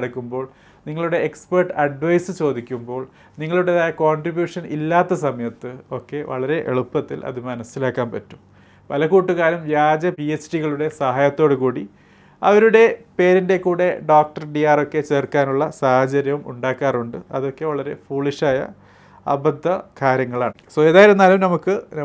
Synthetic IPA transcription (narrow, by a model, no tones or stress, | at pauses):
ɐɽɐkːumbo̞ːɭ | niŋːɐɭuɽe̞ːksperʈːɐɖʋɐjsɨt͡ɕo̞ːd̪ikʲːumbo̞ːɭ | niŋːɐɭuɽe̞ðaːjɐkoːɳɖribjuːʂɐnḭlːaːt̪ːɐsɐmɐjɐt̪ːɨo̞kːe̞ʋɐ̰ɭɐɾe̞ʔḛɭupːɐt̪ːilɐ̰ðɨmɐnɐsilaːkːaːnpɐtːum | pɐlɐkuːʈːuɣaːlumʋjaːd͡ʑɐpiesʈiɣɐɭuɽe̞sɐɦaːjɐt̪ːo̞ːɽɨkuːɽi | ɐ̰ʋɐɾuɽe̞pe̞ːɾinde̞kuːɽe̞ɖoːk̚ʈɐrɖijaːro̞kːe̞t͡ɕe̞ːrkaːnuɭːɐsaːhɐd͡ʑɐɾjɐʋumṵɳɖaːkːaːruɳɖɨɐ̰ðo̞kːe̞ʋɐɭɐɾe̞fuːɭiʂaːjɐ̰ | ɐ̰bɐd̪ʱːɐkaːɾjɐŋːɐɭaːɳɨso̞ːeːðaːjiɾunːaːlumnɐmukːɨ